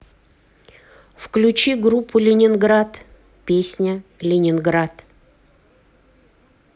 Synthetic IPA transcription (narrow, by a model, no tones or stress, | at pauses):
fklʲʉt͡ɕiɡɾupʰːʊlʲɪnʲɪnɡɾat̪ | pʲesʲnʲəlʲɪnʲɪnɡɾat̪